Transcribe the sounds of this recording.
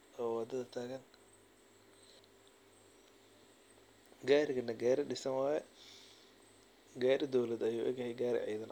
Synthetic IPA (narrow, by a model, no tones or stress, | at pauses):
ʔɔːwɑd̪ɐðɐt̪ʰaːɣɐn | ɡaːɾɪɣɐnɐɡaːɾɪɖɪsɐnwaːjɛ | ɡaːɾɪd̪ɔwlɐd̪ɐjuːʔɛ̰ɡjɐhɛjɡaːɾɪ̰ʕiːðɐn